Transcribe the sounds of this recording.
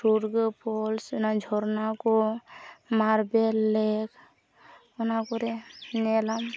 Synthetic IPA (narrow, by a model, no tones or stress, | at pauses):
ʃuɾɡəpɔlsnad͡ʒʱɔɾnako | maɾbelːek | onakoɾenelam